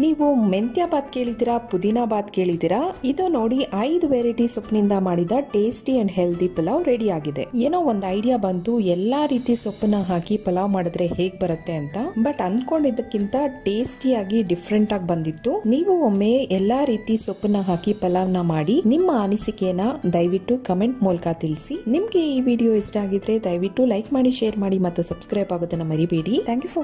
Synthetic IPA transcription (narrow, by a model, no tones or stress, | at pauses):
niːʋument̪jaːbaːd̪ke̞ːɭid̪iːɾɐpud̪inaːbaːd̪ke̞ːɭid̪iːɾɐid̪uno̞ːɽiʔɐjd̪uʋeːɾiʈisopːnind̪ɐmaːɽid̪ɐʈeːsʈiɐɳɖɦeld̪ipɐlɐʋɾe̞ɽiaːɡid̪e̞̰eːnoːond̪ɐjɖijabɐnt̪uɛlːaːɾiːt̪isopːɐnːɐɦaːkipɐlaʋmaːɽid̪ɾe̞heːɡ̚bɐɾɐt̪ːe̞ɐnt̪ɐbɐʈɐnd̪ko̞ɳɖid̪ːɐkːint̪ɐʈeːsʈijaːɡiɖipʰɾeɳʈaːɡbɐnd̪it̪ːuniːʋuomːeʔɛlːaːɾiːt̪isopːɐnːɐɦaːkipɐlaːʋnɐmaːɽinimːɐanisikejɐnːɐd̪ɐjʋiʈːukɐme̞ɳʈmuːlɐkɐt̪ilsinimɐɡe̞iːʋiːɖijo̞ːisʈaːɡid̪ɾe̞d̪ɐjʋiʈːulɐjkmaːɽiʃeːɾmaːɽimɐt̪ːusɐbskɾɐjbaːɡoːd̪ɐnːɐmɐɾibiɽit̪ʰaːŋkjupʰɐ